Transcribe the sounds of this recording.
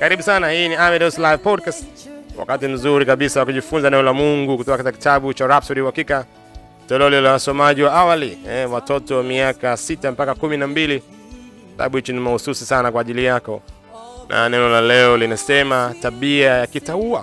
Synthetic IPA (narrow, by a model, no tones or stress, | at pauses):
kaɾiɓusanahiːniamɛdɛslaivpɔdkastwa̰katim̩zuɾikaɓisawakuʄifunzanɛnɔlamuŋɡukutɔkakatikaki̥taɓut͡ʃaɾap̚sɔɾiuhakika | tɛlɛɔlilawasɔmaʄiwaawaliɛwatɔtɔwamiakasitampakakuminambili | kita̰ɓuhit͡ʃinimahususisanakwaːʄilijakɔ | nʔa̰nɛnɔlalɛɔlinasɛmataɓiajakitaua